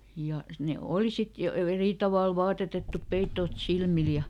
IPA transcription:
jɑ ne oˑli sit jo ʋe eriˑ tɑʋɑˑl ʋɑːtetetːup peitːoːt silmil jɑ

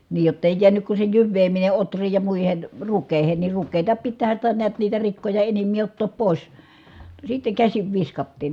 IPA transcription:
niːj jotːeˑi jiænyk ku se jyʋːeːmine otrˑiːj jɑ muihen rukːeˑi̯hen ni rukːeːtɑ pitːæːhæn̞ sitæ niæt niːtæ rikːojɑ enimːiː otːoːp poˑis sitːeŋ kæsiʋ ʋiskɑtːiːn

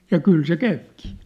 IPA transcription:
jɑ kyl se kæypkiː

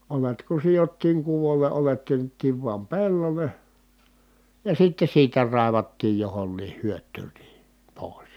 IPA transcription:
olet ku sijotːiːŋ kuʋolˑe ʔolet tyønːetːiːʋ ʋuɑm pelːole jɑ sitːe siːtæ rɑˑi̯ʋɑtːiːj johonːiːh hyøtˑyːn ni poˑis

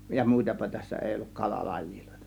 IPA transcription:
jɑ muˑitɑpɑ tæsːæ eˑi olːuk kɑlɑ lɑji̥ˑl̥o̥e̞tɑ̥

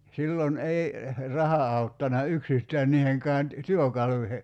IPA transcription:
silːon ei rɑhɑ ɑutːɑnɑ yksistæːn niːheŋkæːn ty tyøkɑluihe

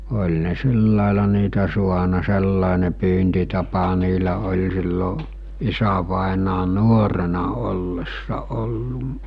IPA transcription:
olʲ ne silːɑˑelɑ niːtæ suɑnɑ selːɑˑene pyːntitɑpɑ niːlæ olʲ silːo isæʋɑˑenɑː nuorenɑ olːesːɑ olːuʔ

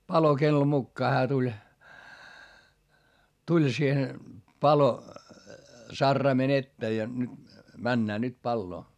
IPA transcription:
pɑlokelːo mukːɑː hæː tulʲ tulʲ siːhen pɑlo sɑrːɑimen etːeː jɑ nyt mænːæː nyt pɑlːoː

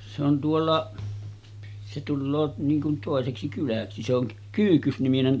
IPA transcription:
se on tuolːɑʔ se tulːoː niːŋ kun toˑeseksi kylæksi se oŋ kyːhkysniminen

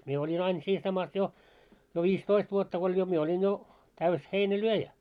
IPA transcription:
mie olʲin ɑin siːn sɑmɑs jo jo ʋiːstoist ʋuotːɑ ko olʲ jo mie olʲin jo tæys heinælyøjæ

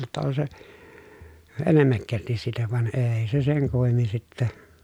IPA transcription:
tːɑ on se enemːækːæltis siːtæ ʋɑn eːi̯ se seŋ kumːemːin sitːæ

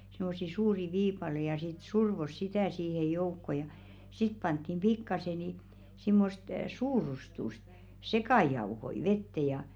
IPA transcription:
simːosːi suːri ʋiːpɑle jɑ sit surʋos sitæˑ siːhej̆ joukːo jɑ sit pɑntːim b̥ikːɑse ni simːost suːrustust sekɑˑjɑuhoi ʋetːe jɑ

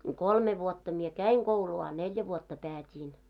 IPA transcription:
kolme ʋuotːɑ mie kæiŋ ɡ̊ouluː ɑ neljæ ʋuotːɑ pæːtʲiːn

